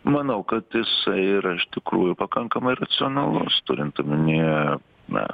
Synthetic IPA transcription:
mɐnɐʊkɐt̪jɪsɐɪɪɾɐɪʃt̪ʲɪkɾuːjʊpɐkɐŋkɐmɐɪrɐt̪sʲɪɔnɐlˠʊst̪ʊɾʲɪnt̪tɐmʲɪnʲi | nɐ̰

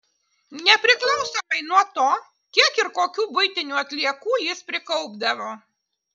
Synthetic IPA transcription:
nʲɛpʲɾʲɪklˠɒʊsomɐɪnuɔt̪oː | kʲiɛkɪɾkoːkʲuːbʊɪt̪ʲɪnʲuːɐt̪ʲlʲiɛkuːjɪspʲɾʲɪkɔʊbd̪ɐʋoː

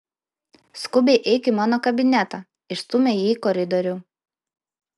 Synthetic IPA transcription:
skʊbʲɛɪʔɛɪkʲɪmɑːnoːkɐbʲɪnʲæt̪ɑːˑ | ɪʃst̪ʊmʲejiːkɔɾʲɪd̪ɔɾʲʊ

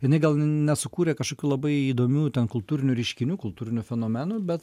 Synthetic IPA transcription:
jɪnɐɪɡɐlˠnʲɛsʊkuːɾʲeːkɐʃkoːkʲuːlˠɐbɐɪiːd̪oːmʲuːt̪ʲɛnkʊlˠt̪uːɾʲɪnʲʊɾʲɛɪʃʲkʲɪnʲuːkʊlˠt̪uːɾʲɪnʲʊfʲɛnoːmʲænuːbʲɛt̪

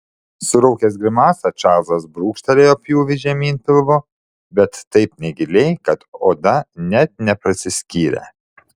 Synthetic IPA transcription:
sʊɾɐʊkʲɛs̬ɡɾʲɪmɑːsɐt͡ʃɑːzɐsbɾuːkʃʲt̪ʲɐlʲeːjoːpʲjuːʋʲɪʒʲɛmʲiːnpʲɪlˠʋo | bʲɛt̪ːɐɪpnʲɛɡʲɪlʲɛɪkɐt̪oːd̪ɐnʲɛt̪̚nʲɛpɾɐsʲɪsʲkʲiːɾʲɛ̰

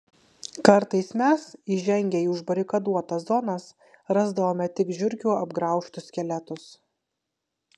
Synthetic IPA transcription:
kɐɾt̪ɐɪsmʲɛsiːʒʲɛŋʲɡʲɛiːʊʒbɐɾʲɪkɐd̪uɔt̪ɐszɔnɐs | ɾɑzd̪ɐʋoːmʲɛt̪ʲɪkʒʲʊɾʲkʲuːɐbɡɾɑˑʊʃt̪ʊsʲkʲɛlʲɛt̪ʊs

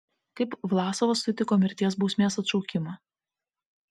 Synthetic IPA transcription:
kɐɪpʋlˠɑːsoʋoːsʲʊt̪ʲɪkoːmʲɪɾʲt̪ʲiɛs̬buːsʲmʲeːsɐt̪ʃɔʊkʲɪmɐ

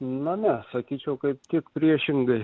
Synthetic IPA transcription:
nʊnʲɛsɐkʲiːt͡ʃʲɛʊkɐɪp̚t̪ʲɪkpʲɾʲiɛʃʲɪŋɡɐɪ

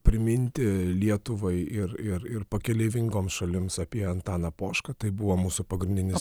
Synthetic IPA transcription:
pʲɾʲɪmʲɪnʲt̪ʲɪlʲiɛt̪ʊʋɐɪɪɾɪɾɪɾpɐkʲɛlʲeːʋʲɪŋɡoːmsʃɐlʲɪmsɐpʲiɛɐnt̪ɑːnɐpoːʃkɐt̪ɐɪbʊʋoːmuːsʊpɐɡɾʲɪnʲd̪ʲɪnʲɪs

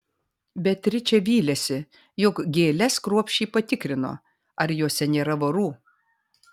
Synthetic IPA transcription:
bʲɛt̪ʲːɾʲɪt͡ʃʲɛʋʲiːlʲɛsʲɪ | jʊkɡʲeːlʲɛskɾuɔpʲʃʲt͡ʃʲiːpɐt̪ʲɪkɾʲɪno̰ː | ɐɾjoːsʲɛnʲeːɾɐʋɐɾuː

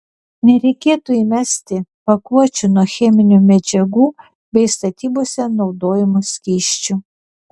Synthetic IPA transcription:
nʲɛɾʲɛɪkʲeːt̪uːiːmʲɛsʲt̪ʲɪpɐkuɔt͡ʃʲʊnuɔxʲɛmʲɪnʲuˑmʲɛd͡ʒʲɛɡuː | bʲɛɪst̪ɐt̪ʲiːboɔsʲɛnɒʊd̪oːjɪmʊsʲkʲiːʃʲt͡ʃʲu

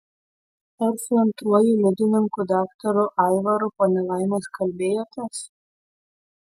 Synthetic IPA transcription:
ɐɾsʊɐnt̪ɾuɔjulʲɛd̪ʲɪnʲɪŋkud̪ɑːkt̪ɐɾʊʔɑɪʋɐɾʊpɐnʲɛlˠɑˑɪmɐskɐlʲbʲeːjot̪ɐs

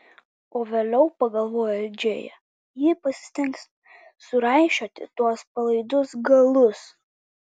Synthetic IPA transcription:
oːʋʲeːlʲɛʊpɐɡɐlˠʋoːjolʲd͡ʒʲeːjɛ̰ | jɪpɐsʲɪ̥t̪ʲɪŋks | sʊɾɑɪʃʲoːt̪ʲɪ̰t̪uɔspɐlˠɐɪd̪ʊsɡɐlˠʊs

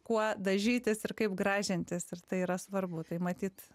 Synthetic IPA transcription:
kuɔd̪ɐʒʲiːt̪ʲɪsɪɾkɐɪpɡɾɑːʒʲɪnʲt̪ʲɪsɪɾt̪ɐɪiːɾɐsʋɐrbʊt̪ɐɪmɐt̪ʲiːt̪

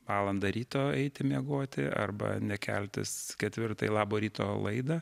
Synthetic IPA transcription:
ʋɑːlˠɐnd̪ɐɾʲiːt̪oːɛɪt̪ʲɪmʲiɛɡoːt̪ʲɪ̰ɐ̰rbɐ̰nʲɛkʲɛ̰lʲt̪ʲɪ̰skʲɛt̪ʲʋʲɪrt̪ɐ̰jlˠɑːboːɾʲiːt̪oːlˠɐɪd̪ɐ

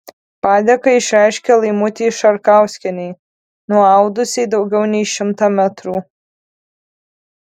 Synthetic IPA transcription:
pɑːd̪ʲɛkɐɪʃʲɾʲɛjʃʲkʲɛlˠɐɪmʊt̪ʲiːʃɐɾkaʊsʲkʲɛnʲɛj | nuɔɐʊd̪ʊsʲeːd̪ɐʊɡʲɛʊnʲɛjʃʲɪmt̪ɐmʲæt̪ɾuː

